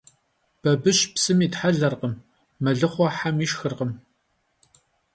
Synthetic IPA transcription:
b̥ɐbɨʃpsɨmiːtħaɮɐrqəmː | ɐɮɨχʷɔħamiːʃxɨrqəm

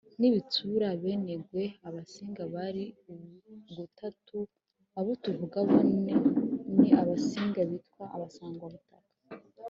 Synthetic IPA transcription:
niβituɾaβene̞ɡwe̞aβasiːŋɡaβaɾi | ɡutʰatʰu | aβo̞tuvuɡaβoneniaβasiːŋɡaβitwaʔaβasaːŋɡwaβutakḁ

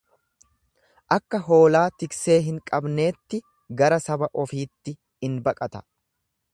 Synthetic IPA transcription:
ʔɐkːɐɦo̞ːlaːt̪ɪkse̞ːɦɪŋkʼɐbne̞ːt̪ːɪ | ɡɐɾɐsɐbɐʔɔfiːt̪ːɪ | ɪnbɐkʼɐt̪ɐ̥

